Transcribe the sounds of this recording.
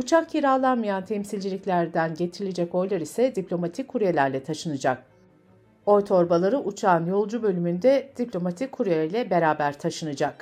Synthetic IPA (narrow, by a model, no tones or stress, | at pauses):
ut͡ʃʰakcʰiɾaːlˠanmajant̪ʰɛmsilʲd͡ʒilʲiclʲæɾd̪ænɟe̞t̪ʰiɾilʲed͡ʒɛco̞jlˠaɾisɛd̪iplʲo̞mat̪ʰicʰːuɾujelʲæɾlʲɛt̪ʰaʃɯnɯd͡ʒak̚ | o̞jt̪ʰo̞ɾbalˠaɾɯʔut͡ʃʰaːnjo̞lˠd͡ʒubø̞lʲymynd̪ɛd̪̥iplʲo̞mat̪ʰikʰːuɾujeɾilʲɛbe̞ɾaːbæɾt̪ʰaʃɯnɯd͡ʒak